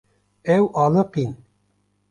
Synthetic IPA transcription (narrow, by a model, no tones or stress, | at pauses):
ɛwʔɑːlɨqin